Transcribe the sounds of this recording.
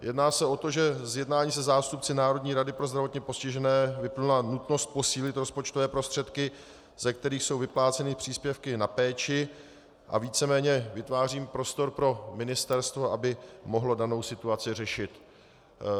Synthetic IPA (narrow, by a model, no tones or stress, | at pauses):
jʔɛdnaːsɛo̞t̪o̞ʒɛzjɛdnaːɲiːs̬ɛzaːst̪up̚t͡sɪnaːɾo̞dɲiːɾadɪpɾozd̪ɾavo̞t̪ɲɛpo̞scɪʒɛnɛːvɪplnlanut̪no̞st̪̚po̞siːlɪt̪ɾo̞spo̞t͡ʃt̪o̞vɛːpɾo̞st̪r̝̥ɛt̪kɪ | z̥ɛk̚t̪ɛɾiːxso̞wvɪplaːt͡sɛnɪpr̝̥iːspjɛfkɪnapɛːt͡ʃɪ | ʔa̰viːt͡sɛmɛːɲɛvɪt̪vaːriːmpɾo̞st̪o̞ɾpɾo̞mɪnɪst̪ɛɾst̪vo̞ʔabɪmo̞ɦlo̞dano̞wsɪt̪uat͡sɪrɛʃɪt̪